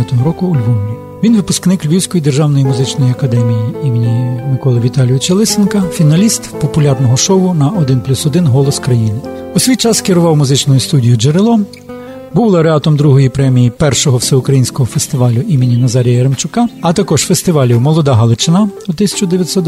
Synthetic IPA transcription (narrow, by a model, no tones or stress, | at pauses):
t̪ɔɦɔɾɔkʊːlʲʋɔmɾʲi | ʋʲinʋɪpʊsknɪklʲʋʲiwsʲkɔjid̪erʒɑwnɔjimʊzɪt͡ʃnɔjiɐkɐd̪ɛmʲijiimɪnʲɪmɪkɔlˠɐʋʲit̪ɑlʲijʊt͡ʃelˠɪsenkɐfʲinɐlʲist̪pɔpʊlʲɑrnɔɦɔʃɔwʊnɐɔd̪ɪnplʲusɔd̪ɪnɦɔlˠɔskɾɐjinɪ | usʲʋʲijt͡ʃɑskɪɾʊʋɑwmʊzɪt͡ʃnɔjʊst̪udʲijʊd͡ʒeɾɪlˠɔ | buwlˠɐɾeɑt̪ɔmd̪ɾuɦɔjipɾɛmʲijipɛrʃɔɦɔwsɛʊkɾɐjinʲsʲkɔɦɔfest̪ɪʋɑlʲʊʔimɪnʲinɐzɑɾʲijɐjɐɾemt͡ʃʊkɑɐt̪ɐkɔʒfest̪ɪʋɑlʲiwmɔlˠɔd̪ɑɦɐlˠɪt͡ʃɪnɑut̪ɪsʲɐ̥t͡ʃʊd̪eʋʲjɐtʲsɔt̪